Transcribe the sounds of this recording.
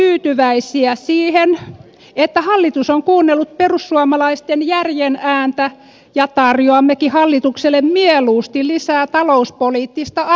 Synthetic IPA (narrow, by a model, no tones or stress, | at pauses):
yːt̪yʋæisiæsiːhen | et̪ːæhɑlːit̪usoŋkuːnːelːut̪̚perusːuɑmɑlɑist̪enjærjenæːnt̪æ | jɑt̪ɑrjoɑmːekihɑlːit̪ukselːˑemmieluːst̪illisæːt̪ɑlouspoliːt̪ːist̪ɑ